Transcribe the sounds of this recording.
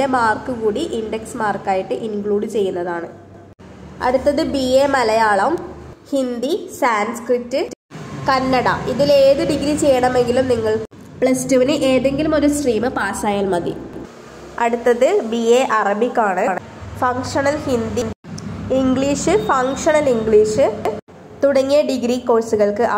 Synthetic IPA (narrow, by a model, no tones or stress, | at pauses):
emaːrkɨɣuːɽiʔinɖeksmaːrkaːjiʈːɨʔinkɭuːɽɨt͡ɕe̞jːunːɐðaːɳɨ | ɐ̰ɽut̪ːɐðɨbieːmɐlɐjaːɭɐʋmhind̪isaːnskritːɨ | kɐnːɐɽɐiðile̞ːðɨɖiɡɾit͡ɕe̞jːɐɳɐme̞ŋɡilumniŋːɐɭ | pɭɐstuʋɐniʔe̞ːðe̞ŋɡilumo̞ɾusriːmɨpaːsaːjaːlmɐðḭ | ɐɽut̪ːɐðɨbieːʔɐrɐbikʲːaːɳɨːɳɨ | fɐŋkʂɐnɐlhind̪iniŋɡɭiːʂɨfɐŋkʂɐnɐliŋɡɭiːʂɨ | t̪uɽɐŋːijɐɖiɡɾiko̞ːsuɣɐɭkɨʔɐ